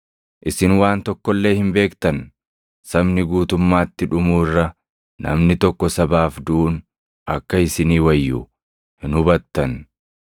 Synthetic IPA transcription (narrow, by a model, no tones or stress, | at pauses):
ʔɪsɪnwaːnt̪ɔkːɔlːe̞ːhɪmbe̞ːkt̪ɐn | sɐbnɪɡuːt̪ʊmːaːt̪ːɪᶑʊmuːɪrːɐ | nɐ̰mnɪt̪ɔkːɔsɐbaːfd̪uːn | ʔɐ̰kːɐɪsɪniːwɐjːʊ | hɪnhʊbɐt̪ːɐn